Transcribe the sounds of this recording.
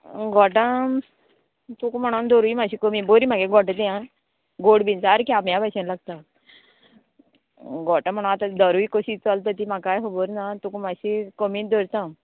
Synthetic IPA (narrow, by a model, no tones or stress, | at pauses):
ɡɔʈã | t̪ukm̤əɽ̃ond̪oɾuimaɕikomiboɾimaɡeɡɔʈət̪̬iã | ɡoɽbint͡saɾkiamjabaɕẽnlaɡt̪a | ɡɔʈãm̤əɽ̃at̪ãd̪əɾuikoɕit͡səlt̪ət̪imakajɦoboɾnat̪ukmaɕikomĩːd̪oɾt̪a